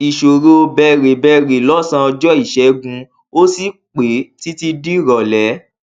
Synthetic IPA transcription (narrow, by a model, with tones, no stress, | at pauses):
i˨ʃo˨ɾo˧˦o˧bɛ˧˨ɾe˨bɛ˦˧˨ɾe˨lɔ˦sã˧ɔ˧d͡ʒɔ˦i˦˨ʃɛ˨˦ɡũ˧ | o˦si˦k͡pe˨˦ti˦ti˧di˦ɾɔ˨lɛ˨˦